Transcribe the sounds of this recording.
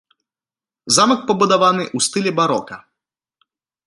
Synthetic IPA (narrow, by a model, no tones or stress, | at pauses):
zamɐk̚pɐbud̪avanɨʔust̪ɨlʲɛbaɾɔkɐ